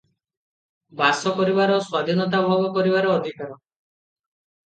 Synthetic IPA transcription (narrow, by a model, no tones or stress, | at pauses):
basɔkɔɾibaɾɔswad̪ʱinɔt̪abʱɔbɔkɔɾibaɾɔːd̪ʱikaɾɔ